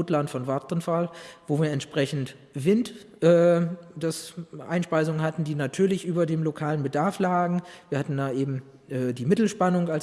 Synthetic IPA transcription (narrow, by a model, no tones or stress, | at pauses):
tlantfɔnvaɐtənfalvoːviːɐɛntʃpʁ̥ɛçn̩t | v̥ɪnt | ʔɛːd̥asʔa̰ɪnʃpaɪzʊŋənhatn̩diːnatʰyːɐlɪçʔyːbɐdeːmlokʰaːlənbədaɐflaːɡŋ̩viːɐhatn̩daːʔeːbm̩ | ʔɛːdiːmɪtl̩ʃpanʊŋals